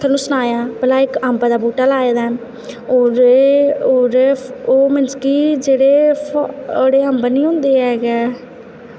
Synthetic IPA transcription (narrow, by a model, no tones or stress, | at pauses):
t̪ʰənũːsʊnaːjaːpəlaːɪkəmbad̪aːbuːʈaːlaːeːd̪aː | oɾ | oːɾoːmɪnd͡ʒkiːd͡ʒeːɽeː | ɽeːɦəmbənĩːɦʊ̃nd̪eːɦɛːɡɛː